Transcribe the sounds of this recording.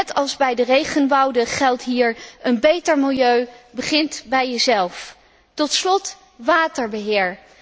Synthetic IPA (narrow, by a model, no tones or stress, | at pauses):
ɛtɑlˠzbɛjdərejχənbɑwdəχɛlˠtɦiːɹʔənbejtəɹmɪlˠjøɥbəχɪntbɛjjəzɛlˠf | tɔtslɔt | ʋaːtəɹbəɦɪːɹ